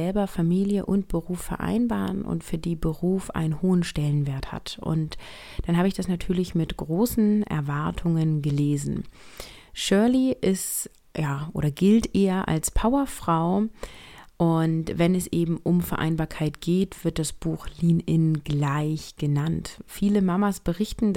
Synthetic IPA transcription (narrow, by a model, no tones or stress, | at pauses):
ɛlbɐfamiːljəʔʊnt̚b̥əʁuːfɛɐʔa̰ɪnbaːʁənʊ̰ntfyːɐdiːbəʁuːfʔa̰ɪnənhoːənʃtɛlənveːɐtha̰tʔʊ̰nt | d̥anhaːbəɪçd̥asnatʰyːɐlɪçmɪtɡ̥ʁoːsn̩ʔɛ̰ɐvaɐtʰʊŋənɡəleːzn̩ | ʃœɐliʔɪst | jaːʔo̰ːɾɐɡɪltʔeːɐʔa̰lspʰaʊɐfʁ̥aʊ | ʔʊntv̥ɛnɛsʔeːbm̩ʔʊmfɛɐʔa̰ɪnbaːɐkʰaɪtɡ̥eːtv̥ɪɐt̚d̥asb̥uːxliːnɪnɡlaɪçɡ̥ənantfiːləmamasb̥əʁɪçtn̩